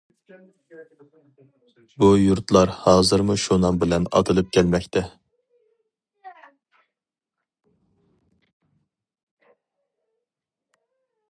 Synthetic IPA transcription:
bujuɾt̪lˠɑɾhɑːzɨɾmuʃunɑmbɪlɛnɑ̰t̪ʰɨlˠɨp̚kʲʰælmɛkʲt̪ʰɛ

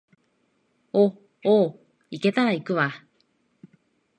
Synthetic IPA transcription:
o | oː | ike̞t̪aɾaikɯ̟βa

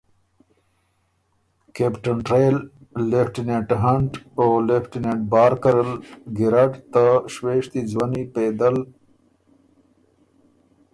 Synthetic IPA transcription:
kepʈanʈɾejlːefʈineʈɦɐɳʈolefʈineʈ̚bɑːɾkəɾəlɡiɾaʈt̪aʃweʂt̪id͡zwaniped̪əl

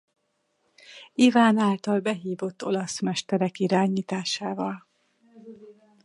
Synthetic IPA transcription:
ivaːnaːlt̪ɒlbɛɦiːvo̞t̪ːo̞lɒsmɛʃt̪ɛɾɛkiɾaːɲiːt̪aːʃaːvɒl

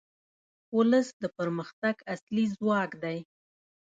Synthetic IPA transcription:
ʊləsd̪əpəɾməxt̪aɡaslizwɑkd̪aj

